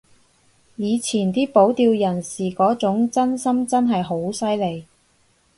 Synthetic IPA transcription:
jiː˨˧t͡sʰiː˨˩nt̪iː˥po˨˥wt̪iː˧wjɐ˨˩nsiː˨˩kɔː˨˥t͡sʊ˨˥ŋt͡sɐ˥nsɐ˥mt͡sɐ˥nɦɐ˨jɦo˨˥wsɐ˥jle˨˧j

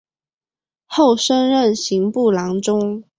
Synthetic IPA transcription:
xo˥˩ʊʂə˥nɻə˥˨nɕi˧˥ŋpu˥˩lɑ˧˥ŋʈ͡ʂʊ˥ŋ

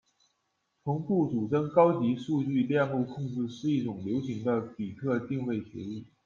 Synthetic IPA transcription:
t͡sʰʊ˧˥ŋpu˥˩ʈ͡ʂu˨˩ʈ͡ʂə˥ŋkɑ˥ʊt͡ɕi˧˥ʂu˥˧t͡ɕy˥˧ljɛ˥˧nlu˥˧kʰʊ˥˧ŋʈ͡ʂɻ̩˥˧ʂɻ̩˥˧i˥˩ʈ͡ʂʊ˨˩ŋljo˧˥ʊɕi˧˥ŋd̪ə˧pi˨˩t̪ʰɤ˥˧t̪i˥˧ŋwe˥˩ɪɕjɛ̰˧˥i˥˩

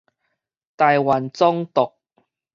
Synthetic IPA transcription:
t̪aː˨jwa˨˩nt͡sɔ˥ŋt̪ʊ˨k̚

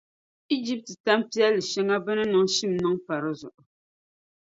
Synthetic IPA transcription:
i˦d͡ʒi˦p̚tɨ˨ta˦mpi˦a˦lɨ˨ʃɛ˦ŋa˦bɨ˦nɨ˦nɨ˨ŋ˦ʃi˦mnɨ˦ŋpa˨ɾɨ˦zʊ̰˨ʔʊ˨

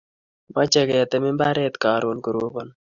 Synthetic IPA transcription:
ma˦t͡ʃɛ˨kɛ˨t̪ɛ˨mɪ˦mba˦ɾɛ˦t̪kaː˨ɾo˨nku˨ɾo˦bɔ˦n

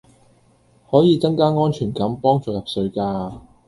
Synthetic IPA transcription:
hɔː˨˥jiː˨˧t͡sɐ˥ŋkaː˥ŋɔː˥nt͡ʃʰyː˨˩nkɐ˨˥mpɔː˥ŋt͡sɔː˨˧jɐ˨p̚sɵ˨˧ɥkaː˧

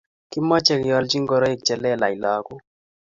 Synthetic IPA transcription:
kɪ˦mɔ˦t͡ʃɛ˦˨kɪ˨jɔ˨lt͡ʃi˦ŋɡɔ˨ɾɔ˦i˦˨k̚t͡ʃɛ˨lɛ˦˨la˨i˨lɔ˨˦kʊ˦

